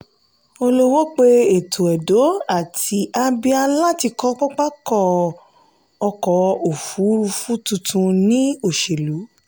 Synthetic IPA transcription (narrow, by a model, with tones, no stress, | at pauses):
o˧lo˦wo˦k͡pe˧e˨tʰo˨ɛ˨do˨˦a˦˨tʰi˨˦ʔa˧bi˧a˧la˦ti˧kɔ˦k͡pɔ˦k͡pa˦kɔ˦˨ | ɔ˧kɔ˨˦o˨fu˨˦ɾu˧fu˦tu˧tʰũ˧nĩ˦o˦˨ʃe˨lu˨˦